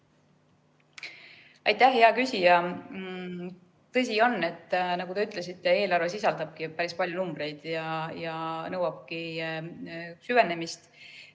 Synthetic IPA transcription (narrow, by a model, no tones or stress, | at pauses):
ɑjt̪ːˑæhheɑkysʲijɑ | t̪ɤs̬ʲio̞nːe̞t̪ːˑnɑɡud̪eyt̪ːˑle̞sit̪ˑːe̞e̞ːlɑrves̬isɑld̪ɑb̥̚kipæɾispɑljunumb̥ɾe̞jd̪̥jɑjɑnɤwɑb̥̚ki | syve̞ne̞mist̪